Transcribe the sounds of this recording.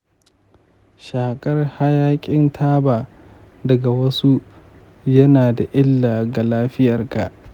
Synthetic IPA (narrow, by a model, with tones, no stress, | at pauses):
ʃaː˨kʼɐ˦rha˦jaː˦kʲʼɪ˦ntʰaː˦baː˨ | dɐ˨ɡa˨wɐ˦su˦ | jɐ˦naː˨da˨ʔɪ˦lːaː˨ɡa˨laː˦ɸɪ˦jɐ˨rka˨ʔ